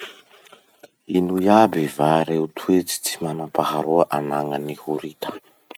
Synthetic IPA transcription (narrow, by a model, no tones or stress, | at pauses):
inujabivaɾeut̪ʰuet͡si̥t͡simanapahaɾuaʔanaŋənihuɾit̪ə̥